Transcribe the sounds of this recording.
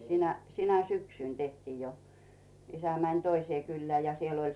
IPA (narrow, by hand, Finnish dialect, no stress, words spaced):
sinæ sinæ syksyˑn tehtiːj jo isæ mænʲ toiseː kylːeæˑ jɑ siel olʲ